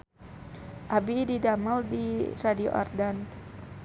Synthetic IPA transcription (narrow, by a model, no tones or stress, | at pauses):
ʔabididaməldiradio̰ʔɔ̰rdan